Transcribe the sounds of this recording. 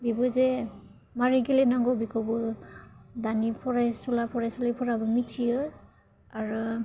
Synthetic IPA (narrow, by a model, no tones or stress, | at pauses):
bibɯze | maɾiɡilenaŋɡɔbikʰɔbɯ | danipʰɔɾajsulapʰɔɾajsɔlajpʰɔɾabɯmitʰijɯ | aɾɯ